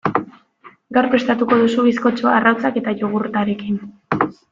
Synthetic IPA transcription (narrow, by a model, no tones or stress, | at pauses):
ɡawɾpɾest̪at̪uko̞ðusuβisko̞t͡ʃoarawt͡sake̞t̪aʝoɣurt̪aɾe̞kin